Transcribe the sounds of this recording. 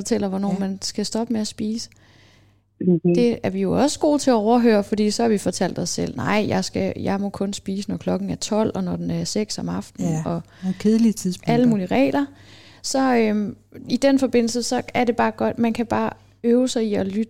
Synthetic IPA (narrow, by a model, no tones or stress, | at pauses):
ɒ̽t͡sʰel̰ɐʋɒnɒ̰ːmænsɡ̥æsd̥ɒ̽b̥əmeæsb̥ḭːsə̥ | d̥e̝æɐʋijo̝ɒ̽sə̥ɡ̥o̝̰ːt͡sʰe̝æɒʊɐɦø̰ːɐfɒd̥ḭːsɒ̽hɑ̈ʋifɒ̽t͡sʰæl̰d̥ɒ̽sːel̰nɑ̈ɪ̰jɑ̈ɪsɡ̥æjɑ̈ɪmɔ̽kʰɔ̽nsb̥iːsənɒkʰlɒ̽ɡ̥n̩æɐt͡sʰɒ̽l̰ɒ̽nɒd̥enæɐseɡ̥sɒ̽mɑ̈fd̥n̩ɒ̽ | kʰeðˠlit͡sʰiðˠsæləmuːliəʁɛ̰ːlɐ | sɒ̽ø | id̥enfɒ̽b̥e̝n̰l̩səsɒ̽æɐɾe̝b̥ɑ̈ːɡ̥ɒ̽d̥mænkʰæb̥ɑ̈ː | øːʊsɑ̈ɪiɒ̽lyd̥